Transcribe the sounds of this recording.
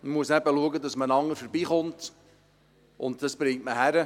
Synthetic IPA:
mmuəsnæbəluəɡədɑsmənɑŋːəɾfəɾbiːχʊnt | ʊ̰ntd̥ɑsb̥ɾɪŋtməɦæɾə

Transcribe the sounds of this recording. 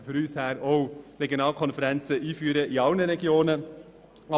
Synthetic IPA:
fyɾyːshæːɾoʊreɡjonɑːlkʰɔnfəɾɛnt͡səʔiːfyːɾəiɑʊnəɾɛɡjoːnə | ɑ

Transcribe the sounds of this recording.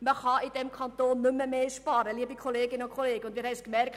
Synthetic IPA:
məχɑːʔidɛmkʰɑntoːnːʏməmeːʃpɑːɾəliəbikʰoleːɡɪnʊnkʰoleːɡəʊnd̪ʋɪːɾhɛɪskmɛɾk

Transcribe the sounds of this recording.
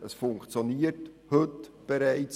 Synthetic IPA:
əsfʊŋkt͡sjoniːərthɵtb̥eɾæɪt͡s

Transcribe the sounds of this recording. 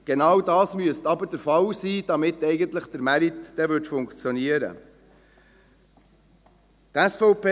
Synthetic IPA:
ɡ̥enɑwdɑːsmyəstɑbəd̥əɾfɑwsiːd̥ɑmɪtɛɪɡənt̪ləχd̥̪əɾmæɾitd̥ɛːʋʏtfʊŋkt͡sjɔniəɾə̰ | t̪æsfɔʊpe

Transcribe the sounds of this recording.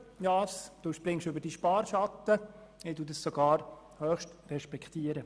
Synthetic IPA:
jɑːsd̥uːʃpɾɪŋʃʏbəɾd̥iʃpɑːɾʃɑt̪ːəɛːdudəssɔɡ̥ɑːɾ | hœːχʃtrɛʃpɛkχt̪iəɾə

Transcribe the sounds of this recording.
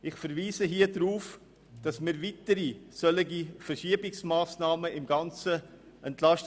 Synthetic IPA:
ɪχfɛɾviːzəɦiːədɾuːf | d̥ɑsmiɾvitəɾisœləɡifɛɾʃiəbɪksmaːsnɑːməɪmɡɑnt͡sə | ɛntlɑʃt

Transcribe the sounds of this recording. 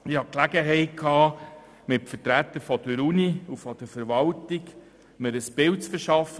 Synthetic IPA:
ɪhɑklæɡəɦɛɪt̚kʰɑː | mɪtfəɾtɾæt̪ːəɾfɔd̥̪əɾuniufɔd̥əɾfəɾvɑltik | məɾəsbɪlt͡sfəɾʃɑfə

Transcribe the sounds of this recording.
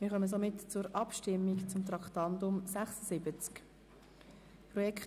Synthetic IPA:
mɪːɾχœməs̬omɪtt͡sʊɾɑpʃtɪmːikt͡sʊmt̪ɾɑkχt̪ɑndʊmsæχsəsɪbət͡sk | pɾɔjɛk

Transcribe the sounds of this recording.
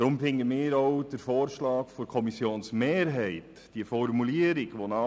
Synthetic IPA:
ɾʊmfɪŋːəmɪːɾɔwd̥əɾfɔːɾʃlɑːkfoɾkʰɔmisjoːnsmeːɾɦɛɪt | d̥iəfɔrmuliəɾiɡʋonɑ

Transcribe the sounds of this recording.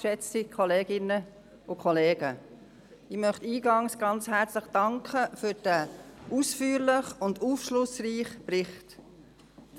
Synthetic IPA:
ʃɛt͡sikʰχɔleːɡ̥ɪnə | ʊkʰɔleːɡ̥ə | ɪmœχtiːɡɑŋsɡ̥ɑnt͡shæɾt͡sləχd̥ɑŋkʰχəfyɾd̥æuːsfyːɾlɪχʊnduːfʃlʊsriːχbrɪχt

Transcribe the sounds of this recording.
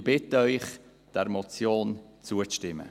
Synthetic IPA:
b̥ɪtəœʏχ | d̥ɛɾmɔt͡sjoːnt͡suəʃtɪmə̰

